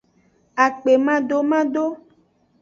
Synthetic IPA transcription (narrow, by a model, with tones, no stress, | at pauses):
a˨k͡pe˨mã˦ɖo˦mã˦ɖo˦